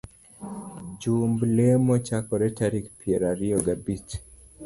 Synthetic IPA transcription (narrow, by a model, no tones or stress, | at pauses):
d͡ʒumblemɔt͡ʃakɔɾɛtaɾikpʰieɾaɾiɔɡabit